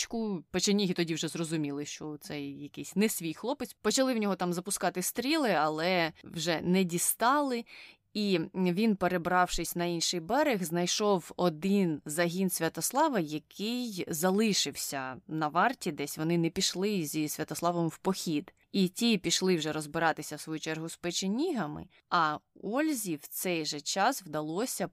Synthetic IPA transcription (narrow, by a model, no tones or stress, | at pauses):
t͡ʃkʊpɔt͡ʃenʲːiɦʲit̪ɔdʲiwʒɛzrɔzʊmʲilˠɪʃt͡ʃɔt̪sɛjjɐkɪsʲnɛsʲʋʲijxlˠɔpɪsʲpɔt͡ʃɐlˠɪwnʲɔɦɔt̪ɑmzɐpʊskɑt̪ɪst̪ɾʲilˠɪɐlˠɛwʒɛnɛdʲist̪ɑlˠɪ | iʋʲinpeɾebɾɑwʃɪsʲnɐinʃɪjbɛɾɪɣznɐjʃɔwɔd̪ɪnzɐɦʲinsʲʋʲɐt̪ɔslˠɑʋɐjɐkɪjzɐlˠɪʃɪwsʲɐnɐʋɑrtʲid̪ɛsʲʋɔnɪnɛpʲiʃlˠɪzʲisʲʋʲɐt̪ɔsˠɑʋɔmwpɔxʲid̪ | itʲipʲiʃlˠɪwʒɛɾɔzbɪɾɑt̪ɪsʲɐwsʋɔjut͡ʃɛrɦʊspɛt͡ʃɪnʲiɦɐmɪ̰ | ɐɔlʲzʲiwt̪sɛjʒɛt͡ʃɑswd̪ɐlˠɔsʲɐ